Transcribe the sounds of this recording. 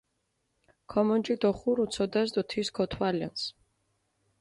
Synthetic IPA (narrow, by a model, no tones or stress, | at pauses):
kʰɔmɔnd͡ʒid̪ɔχuɾut̪sʰɔd̪ɛsd̪ɔt̪ʰiskʰɔt̪ʰwalia̰ns